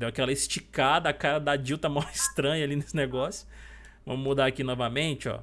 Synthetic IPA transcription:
d̪ewakɛlɐist͡ʃikad̪ɐakaɾɐd̪ad͡ʒiwt̪ɐmawist̪ɾɐ̃ɲɐalinesɪneɡɔsjʊ̥ | vɐ̰̃mʊmud̪aɐkinɔvɐmẽt͡ʃɪɔ̰

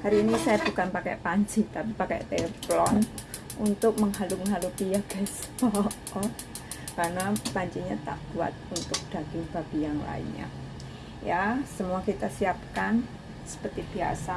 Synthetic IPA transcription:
haɾiːnisajab̥ukanpakɛ̰ʔpaɲt͡ʃit̪apipakɛ̰ʔt̪eplɔn | ʔunt̪ʊk̚məŋɦaluməŋɦalut̪ijaɡ̥ɛsət̪ɔ | ɔ | kaɾənapaɲt͡ʃiɲat̪a̰ʔb̥ua̰t̪̚unt̪ʊk̚d̪̥a̤ɡ̥ɪŋb̥ab̥ijaŋla̰ɪ̰nɲa̰ | jasəmuakit̪asiap̚kan | sə̥pərt̪ib̥ia̰sa

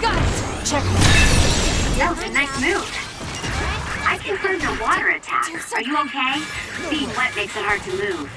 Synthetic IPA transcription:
ɡ̥ʌt͡ʃʰɛk | joʊðɨnaɪt̚mʉd̥ | ʔaɪkʰɨ̃nfʰɜ̃˞d̪ðəwɔɾə˞ɨ̰tʰæ̰k | ə˞jɨoʊkʰeɪsiɪ̃ŋwʌt̚meɪksɨt̚hɑɹd̚tʰɨmʉv̥

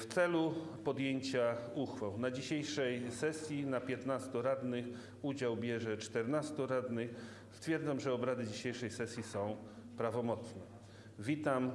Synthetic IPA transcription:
ft̪sɛlu | pɔd̪jeɲt͡ɕauxfawnad͡ʑiɕejʂɛjsɛsʲjinapʲjɛt̪nast̪ɔɾad̪nɘx | ud͡ʑawbʲjɛʐɛt͡ʂt̪ɛɾnast̪uɾad̪nɘx | st̪fʲjɛɾd̪zamʐɛɔbɾad̪ɘd͡ʑiɕejʂɛjsɛsʲjisɔ̃w̃ | pɾavɔmɔt̪snɛ | vʲit̪am

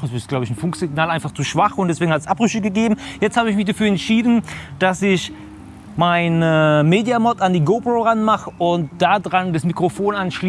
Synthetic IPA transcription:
ɛsɪstɡ̥laʊbəɪçn̩fʊŋkz̥ɪɡnaːlʔaɪnfaχt͡suːʃv̥aχʊntd̥ɛsv̥eːɡŋ̩hatsʔapʁʏçəɡəɡeːbm̩jɛt͡sthaːbəɪçmɪçd̥afyːɐɛntʃiːdn̩d̥asɪç | maɪnmeːdjamɔtandiːɡoːpʁoʁanmaχəʔʊntd̥aːdʁandasmikʁ̥ofoːnʔanʃliː

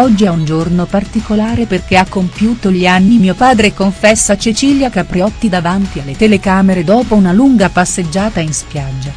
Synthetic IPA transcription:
ɔd͡ʒːiaund͡ʒornopart̪ikolaːɾeperk̟eakːompjuːt̪oʎianːimiopaːd̪ɾekoɱfɛsːat͡ʃit͡ʃiʎjakapɾiɔt̪ːid̪avant̪ialːet̪elekaːmeɾed̪ɔːpounaluŋɡapasːed͡ʒːaːt̪ainspjad͡ʒːa

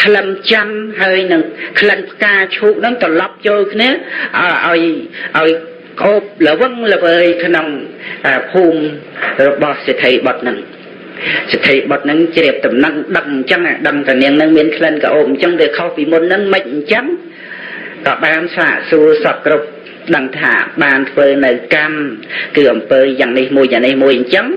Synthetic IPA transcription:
k̪ʰləmt͡ɕamɦaəjnɨŋkʰlənpʰkaːt͡ɕʰuːk̚nɨŋt̪ɔlɑp̚t͡ɕoːlkʰniəʔʔaɔjʔaɔj | kəʔoːp̚ləʋɨŋləʋəːjkʰnoŋkaːpʰuːmrɔɓɑhset̪ʰːəjɓɑt̪̚nɨŋ | set̪ʰːəjɓɑt̪̚nɨŋt͡ɕriəp̚t̪umnət̪̚ɗək̚ɲt͡ɕəŋʔaɗəŋt̪aniəŋnɨŋmiənkʰlənka̰ʔoːp̚ɲt͡ɕəŋɗ̪eːkʰohpiːmunːɨŋmɨc̚ɲt͡ɕəŋ | kɑːɓaːnsa̰ːʔsuəsɑp̚krup̚ | ɗəŋt̪ʰa̰ːɓaːnt̪ʰʋəːnɨwkamkɨːʔɑmpəːjaːŋnihmuəjjaːŋnihmuəjɲt͡ɕəŋ

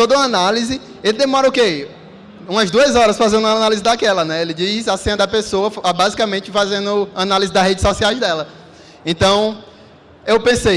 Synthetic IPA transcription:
t̪od̪ɐũɐanalizɪ | elɪd̪emɔɾɐʊke | ũmɐzd̪uɐzɔɾɐsfazẽnd̪ũɐaɐnalizɪd̪akɛlɐnɛelɪd͡ʒisasẽnɐd̪ɐpesoɐfbazikɐmẽt͡ʃɪfazẽnd̪ʊɐnalizɪd̪ɐzɦed͡ʒɪsɔsiajzd̪ɛlɐ | ẽt̪ɐ̃w̃ | ewpẽsej

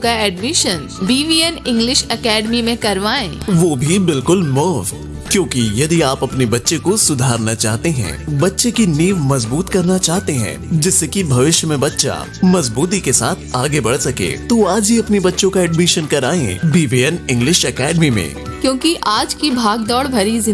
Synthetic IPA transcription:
kaɛːɖmɪʃən | biːʋiːɛnɪ̃ŋɡlɪʃɛkɛːɖmimẽkɐɾʋaːẽːʋoːbʱibɪlkʊlmʊːft̪ | kjõːkijɐd̪iaːpɐpnebɐtːʃekosʊd̪ʱaːɾnat͡ʃaːɦt̪eɦɛ̰̃ːbɐtːʃekiniːʋmɐzbuːt̪kɐɾnat͡ʃaːɦt̪eɦɛ̰̃ːd͡ʒɪsːekibʱɐʋɪʃjəmẽbɐtːʃa̰ | mɐzbuːt̪̬ikesa̰ːt̪ʰaːɡebɐɽ̤sɐkḛ̃ːt̪oaːd͡ʒiɐpnibɐtːʃõkaɛɖmiʃənkɐɾaːḛ̃biːʋiːɛnɪ̃ŋɡlɪʃɛkɛːɖmimḛ̃ːkjõːkiʔaːd͡ʒkibʱaːɡd̪ɔːɽbʱɐɾizɪ

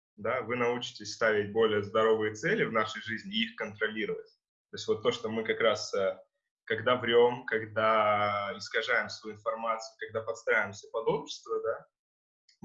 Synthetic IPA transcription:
d̪avɨnɐut͡ɕɪ̥tʲɪsʲst̪avʲɪtʲbo̞lʲɪjəzd̪ɐɾo̞vɨjət̪sɛlʲɪvnaʂəjʐɨzʲnʲɪixkənt̪ɾɐlʲiɾəvətʲ | t̪o̞ɪsʲvo̞t̪ːo̞ʂt̪omɨkɐkɾasə | kɐɡd̪avɾʲo̞mkɐɡd̪aɪskɐʐajɪmsvəjuɪnfɐrmat̪sɨjʊkɐɡ̚d̪apɐt̪st̪ɾavʲɪmsʲəpɐd̪o̞pɕɪ̥st̪vəd̪a

